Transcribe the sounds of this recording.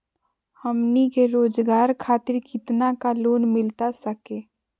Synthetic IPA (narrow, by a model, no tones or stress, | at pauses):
həmnikeɾoːd͡ʒɡaːɾkʰaːt̪ɪɾkɪt̪nakaloːnmɪlt̪asəkeː